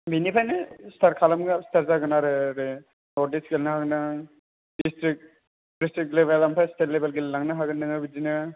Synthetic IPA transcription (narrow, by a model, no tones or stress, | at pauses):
binipʰajnɯstʰaɾkʰalamɡastʰaɾzaɡɯnaɾɯɾe | nɔɾdisɡelnaɦaɡnɯ | distɾik̚ | ɾistɾik̚leβelampʰajstʰelːebelɡellaŋnaɦaɡɯnɯŋɯbid͡ʒinɯ